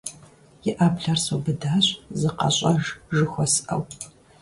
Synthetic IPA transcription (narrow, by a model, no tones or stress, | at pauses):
jɪʔaːbɮɐrsɐwbɨdaːɕzɨqɐ̰ɕʼɐʒʒɨxʷɔsɨʔɐ̰w